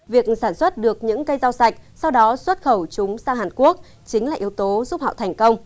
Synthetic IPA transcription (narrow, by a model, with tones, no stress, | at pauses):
vi˨˩ək̚saː˧˩nswə˦˥t̚ɗɨ˨˩ək̚ɲɨ̰˧˥ŋkə˧jza˧wsa˨˩jk̚sa˧wɗɔ˨˦swə˦˥t̚xə˧˩wt͡ɕʊ˨˦ŋ͡msaː˧ŋɦaː˨˩nku˦˥ək̚ | t͡ɕï˨˦ŋ̟laː˨˩ʔi˨˦əwt̪o˨˦zu˦˥p̚hɔ̰˧˨wt̪ʰɛ˨˩ŋ̟kə˧wŋ͡m